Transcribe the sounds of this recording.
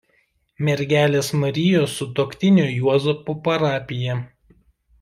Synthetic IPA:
mʲɛɾʲɡʲæːlʲeːsmɐɾʲɪjoːsːʊt̪oːkʲt̪ʲɪnʲoːjuɔzopupɐɾɑːpʲɪjɛ

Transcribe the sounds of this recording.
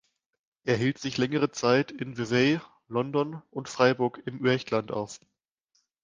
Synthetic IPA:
ʔeːɐɦiːltz̥ɪçlɛŋəʁ̞ət͡saɪtɪnvevɛː | lɔndɔnʊntfʁ̥aɪbʊɐkɪmʔyɐçtlanta̰ʊf

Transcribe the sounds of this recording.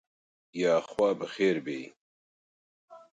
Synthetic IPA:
jaːxwaːbɐxeːɾbe

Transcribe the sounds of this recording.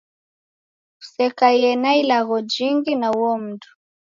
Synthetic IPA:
u̥sɛkaiɛnailaɣɔd͡ʒiŋɡinauɔm̩tu̥

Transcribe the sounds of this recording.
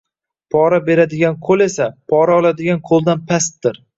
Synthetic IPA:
pʰɒɾabe̞ɾad̪ɪɡʲanqʰolˠe̞sapʰɒɾaɒlad̪ɪɡʲanqʰolˠd̪anpʰast̪ːɪɾ

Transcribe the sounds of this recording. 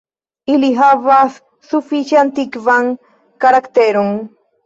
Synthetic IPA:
ɪlɪɦaβas | sʊfiʃant̪ɪkwaŋ | kaɾakt̪eɾʊŋ

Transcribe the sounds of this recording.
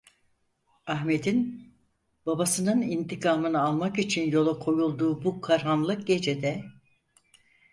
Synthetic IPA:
aɦme̞d̪in | b̥abasɯnɯnint̪ikʰaːmɯnɯalˠmakit͡ʃʰinjo̞lˠakʰo̞julˠd̪uːbukʰaɾɦanlˠɯk̚ɟe̞d͡ʒe̞d̪ɛ

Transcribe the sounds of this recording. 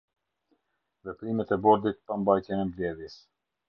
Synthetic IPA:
vɛpɾimɛt̪ɛbɔɾd̪it̪̚pambajt̪jɛnɛmlɛðjɛs

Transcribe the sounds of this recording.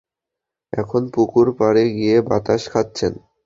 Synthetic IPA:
ɛ̰kʰonpukuɾpaɾeɡijebat̪aʃkʰatːɕʰen

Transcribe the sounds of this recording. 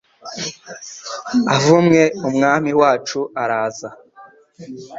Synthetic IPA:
avumŋe̞umŋaːmiwaːt͡ʃuaɾaːza

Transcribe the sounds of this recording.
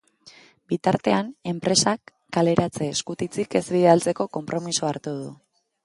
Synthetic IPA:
bit̪aɾt̪e̞ane̞mpɾe̞sakːale̞ɾat͡se̞ːskut̪it͡sike̞zβiðealt͡se̞ko̞ko̞mpɾo̞misoaɾt̪uð̞u

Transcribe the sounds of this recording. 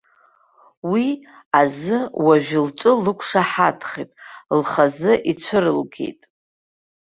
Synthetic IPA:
wi | azɨwaʒᶣʊlʈ͡ʂʷʼɨlɨkʷʰʂaħatʰχitʼlχazɨʔit͡ɕʷʰɨrɨlɡe̞̰jtʼ

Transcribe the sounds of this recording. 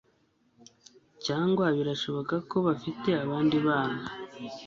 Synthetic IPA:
caːŋɡwaβiɾaʃo̞βo̞kako̞βafite̞aβaːndiβaːna

